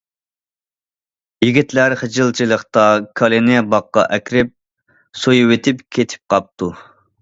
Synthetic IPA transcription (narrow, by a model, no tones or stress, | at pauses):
jiɡʲit̪læɾχəd͡ʒɨlˠt͡ʃʰilˠəχt̪ɑkʰɑlˠɪnɪbɑqːɑ̰ʔɛkʲɾɪp̚ | sojuwet̪ʰɪpkʲʰet̪ʰɪ̥p̚qʰɑp̚t̪ʰu